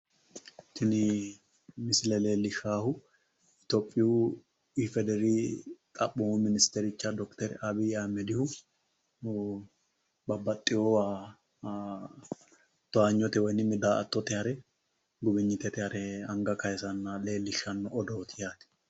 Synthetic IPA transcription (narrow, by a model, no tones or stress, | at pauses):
t̪ɪnɪ | mɪsɪlɛle̞ːlːɪʃaːhʊ | ɪt̪oːpʼːɪju | ɪfɛd̪ɛɾiːt̪ʼɐɓːʊmʊmɪnɪst̪ɛɾɪt͡ʃːɐd̪ɔkt̪ɛɾɐbiːamɛd̪ɪhʊ | nʊ | bɐbːɐt̪ʼːɪjowaː | t̪ɔaːɲːɔt̪ɛwɔjnɪmɪd̪aːɐt̪ːɔt̪ɛhɐɾɛ | ɡʊbɪɲːɪt̪ɛt̪ɪhɐɾɛɐŋɡɐkɐjɛsɐnːɐle̞ːlːɪʃːɐnːʊʔɔd̪oːt̪ʰɪjaːt̪ɪ̥